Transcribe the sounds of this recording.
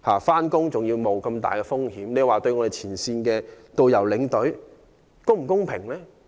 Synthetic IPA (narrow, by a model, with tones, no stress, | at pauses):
haː˨˩faː˥nkʊ˥ŋt͡sʊ˨˩ŋjiː˧wmo˨˧wkɐ˧mt̪a̰ː˨jkɛː˧fʊ˥ŋhiː˨˥mne˨˧˨waː˨t̪ɵ˧ɥŋɔː˨˧e˨jt͡sʰiː˨˩nsiː˧nkɛː˧t̪o˧wjɐ˨˩wlɪ˨˥ŋt̪ɵ˨˥ɥ | kʊ˥ŋm̩˨˩kʊ˥ŋpʰɪ˨˩ŋlɛː˥